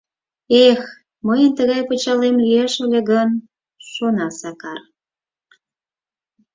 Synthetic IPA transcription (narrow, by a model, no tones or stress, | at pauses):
ex | məjənt̪əɣɑjput͡ɕɑlemlʲyjeʃəlʲeɣən | ʃonɑsɑkɑr